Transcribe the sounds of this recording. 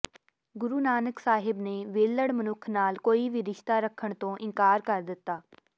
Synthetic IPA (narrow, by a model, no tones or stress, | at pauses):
ɡʊɾuːnaːnəksaːɦɪbneːʋeːləɽmənʊkʰnaːlkoːiːʋiːɾɪʃt̪aːɾəkʰːəɳt̪õːʔɪŋkaːɾkəɾd̪ɪt̪ːaː